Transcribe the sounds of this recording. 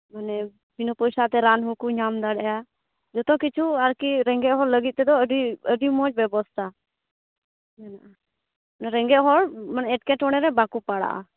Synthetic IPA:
manɛ | binɔpɔjsat̪ɛɾanɦukuɲamd̪aɽɛja | d͡ʒɔt̪ɔ̃kit͡ʃʰuaɾkiɾɛŋɡɛʔɦɔɾləɡit̪̚t̪ɛd̪ɔəɖiəɖimɔt͡ʃbɛbɔst̪ʰa | kanaʔa | nɛɾɛŋɡɛʔɦɔɾmanɛʈkɛʈɔɽ̃ɛɾɛbakupaɽa̰ʔa̰

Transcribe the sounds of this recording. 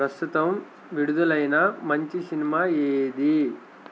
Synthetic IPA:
pɾɐst̪ʰut̪ɐm | ʋiɽud̪ɐlɐjnɐmɐɲt͡ʃisinimaeːd̪i

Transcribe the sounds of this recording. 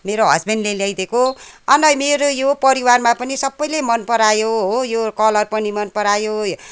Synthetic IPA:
meɾoɦʌ̰zbʱenɖleljajd̪ekoʌnʌjmeɾojopʌɾiwarmapʌnisʌbːʌjlemʌnpʌɾajoɦojokʌlʌrpʌnimʌnpʌɾajo

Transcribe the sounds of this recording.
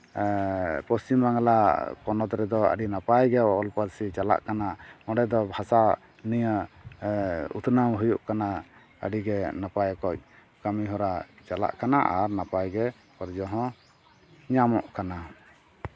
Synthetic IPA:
pɔst͡ʃimbaŋlapɔnɔt̪ɾɛd̪ɔə̰ɖinapajɡɛɔlpəɾsit͡ʃala̰ʔkanaɔɖɛd̪ɔbʱasa | nijə | ṵt̪ʰnamɦujuʔkana | ə̰ɖiɡɛnapajkɔc̚ | kamiɦɔɾat͡ʃala̰ʔkanaʔaɾnapajɡɛ | ɔɾd͡ʒɔɦɔ̃ | ɲamɔ̰ʔkana

